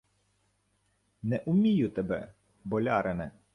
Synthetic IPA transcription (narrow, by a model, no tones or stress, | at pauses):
nɛʔʊmʲijʊt̪ɛbɛ̰ | bɔlʲɑɾenɛ